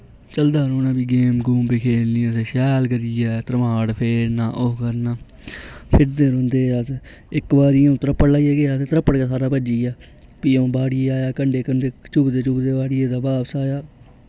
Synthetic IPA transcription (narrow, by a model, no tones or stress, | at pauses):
t͡ʃəld̪aːɾõːnãːbiːɡeːmɡuːmpeːkʰeːlnĩːseːʃɛːlkəɾiːɛːt̪əɾmaːɽpʰeːɾnaːʔoɦkəɾnaː | pʰɪɾd̪eːɾõːnd̪eːaːt̪e | ɪkbaːɾiːõːt̪əɾəpːəɽlaːieːɡeːaːt̪eːt̪əɾəpːəɽkaːs̬aːɾaːbəd͡ʒiːaː | piːõːbaːɽiaːjaːkəɳɖeːkəɳɖeːt͡ʃʊbd̪eːt͡ʃʊbd̪eːbaːɽɪjeːd̪aːbaːbsaːjaː